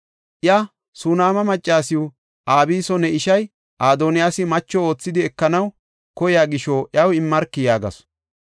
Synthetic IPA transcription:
ʔjɐ | sunaːmɐmɐt͡ʃʼːaːsɪʊ | ʔaːbiːsɔnɛɪʃɐj | ʔaːd̪oːnɪjaːsɪmɐt͡ʃːɔo̞ːt͡sːɪd̪ɪɛkːɐnɐw | kɔjaːɡɪʃoʔjɐwɪmːɐɾkːɪjaːɡɐ̰s

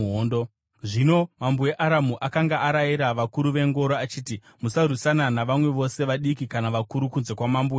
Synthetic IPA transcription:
ondo | ʐino̞mambueʔaɾamuʔakaŋɡaʔaɾajiɾaʋakuɾuʋe̞ŋɡo̞ɾoat͡ʃiːti | musar̤usananaʋamwe̞ʋo̞se̞ʋaɗikikanaʋakuɾukunze̞kwamambue

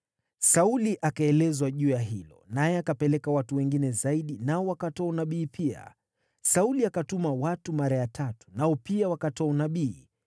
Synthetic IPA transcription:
sauliʔakaɛlɛzwaʄuːjaɦilɔ̰najɛakapɛlɛkawatuwɛŋɡinɛzaiɗinaɔwakatɔunaɓiːpʰia̰ | sauliakatumawatumaɾajatʰatu̥naɔpiawakatɔaunaɓiː

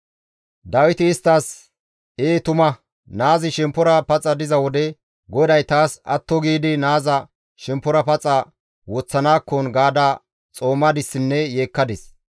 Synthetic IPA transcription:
d̪ɐwɪt̪ɪːst̪ːaːs | eːt̪ʊmɐ | naːzɪʃɛmpːʊɾɐpɐt͡sʼːɐd̪ɪzɐwɔd̪ɛ | ɡɔd̪ɐjt̪aːsɐ̰t̪ːɔɡiːd̪ɪnaːzɐ | ʃɛmpːʊɾɐpɐt͡sʼɐ | wɔt͡sːɐnaːkːɔnɡaːd̪aː | t͡sʼoːmːɐd̪ɪsːɪnːɛje̞ːkːɐd̪ɪs

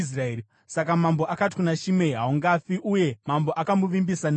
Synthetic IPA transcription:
srae | sakamamboʔakat̬i̥kunaʃime̞ɦauŋɡafiʔuje̞mambo̞ʔakamuʋimbisane

